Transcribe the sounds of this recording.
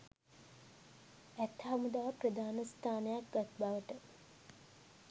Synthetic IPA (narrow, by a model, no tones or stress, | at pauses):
æt̪hamud̪aʋəprəd̪aːnəst̪ʰaːnəjak̚ɡat̪baʋəʈə